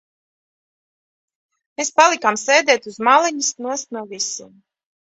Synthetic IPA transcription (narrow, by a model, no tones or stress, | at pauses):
meːspalˠikamsɛjd̪ɛːt̪uzmalˠɛɲisnuɔst̪nuɔvisḭm